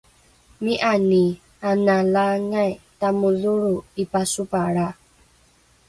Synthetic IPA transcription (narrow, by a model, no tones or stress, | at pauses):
miʔani | analaŋajtamuðuɺuipasupaɺa